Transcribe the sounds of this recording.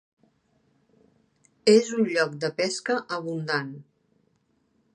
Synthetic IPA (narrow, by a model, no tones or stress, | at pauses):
ezunʎɔkd̪əpɛskəʔəβund̪an